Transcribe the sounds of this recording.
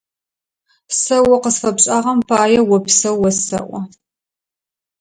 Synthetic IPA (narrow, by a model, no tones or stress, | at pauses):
sɐwɔqəsfɐpɕʼaːʁɐmpʰaːjɛwɔpsɐwwːɐsɐ̰ʔʷɔ